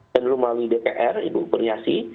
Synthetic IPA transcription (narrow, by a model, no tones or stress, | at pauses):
ənlumawidepeʔɛrḭbupərɲasi